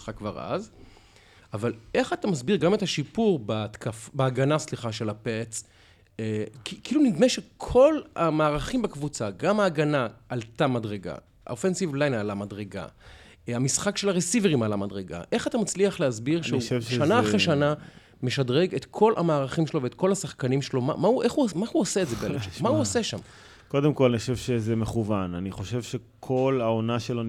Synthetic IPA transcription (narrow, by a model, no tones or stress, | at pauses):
sχakːvaʁa̰z | ʔavale̞χat̪amasbiʁɡame̞thaʃipuʁbatkafbeaɡanasliχaʃelapet͡s | kikiiluniɡmeʃekʰo̞lamaːʁaχimbekvut͡saɡamaːɡanaʔaltamadʁeɡa̰ | a̰ofensivlajnalamadʁeɡa̰ | amisχakʃe̞laʁesiveʁimalamadʁeɡa̰ʔe̞χatamat͡sliaχlehazbiʁʃeuʃanaaχʁeʃana | me̞ʃadʁeɡe̞tkʰo̞lʔa̰maːʁaχimʃeloveet̪ko̞lhasaχkanimʃelo̞ma̰mauʔe̞χumahuosetzebelleʃemauose̞ʃa̰m | ko̞demkolanioʃevʃezemeχuvananiχo̞ʃevʃekʰo̞laonaʃelo